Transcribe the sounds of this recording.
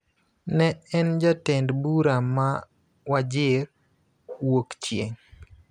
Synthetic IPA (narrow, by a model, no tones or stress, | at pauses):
nɛɛnd͡ʒatɛndbuɾama | wad͡ʒɪɾ | wokt͡ʃjeŋ